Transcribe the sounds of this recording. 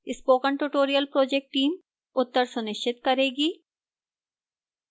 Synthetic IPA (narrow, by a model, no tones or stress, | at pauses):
ɪspokəɳʈuʈoɾiəlpɾod͡ʑek̚ʈʈːiːm | ʊt̪ːəɾsuniʃt͡ʃʰit̪kɔɾeɡi